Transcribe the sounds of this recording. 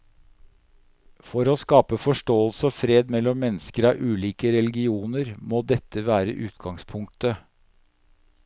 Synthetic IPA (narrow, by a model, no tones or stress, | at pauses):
fɔɾoːskɑːpəfɔʂʈoːəlsəɔfɾeːd̪mɛlːɔmːɛnːəskəɾɑʔʉːliːkəɾɛlɡɪuːnəɾmoːd̪ɛt̪ːəʋæːɾə̰ʔʉːt̪ɡɑŋspʰʊŋk̚t̪ə